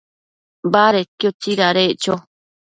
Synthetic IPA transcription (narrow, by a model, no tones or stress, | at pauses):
baɾet̪jot͡ʃiɾaɾet͡ʃo